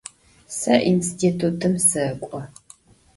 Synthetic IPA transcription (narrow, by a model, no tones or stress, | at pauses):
sɐʔinstʰitʰutʰɨmsɨkʷʼɔ